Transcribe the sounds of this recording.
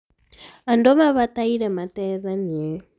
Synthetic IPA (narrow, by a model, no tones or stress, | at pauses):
andomaβataiɾɛmatɛðanie